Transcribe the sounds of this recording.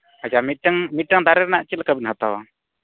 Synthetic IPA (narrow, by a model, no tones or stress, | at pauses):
at͡ʃamiʈəŋmiʈːəŋd̪aɾɛɾɛnaʔt͡ʃilkabinɦat̪awa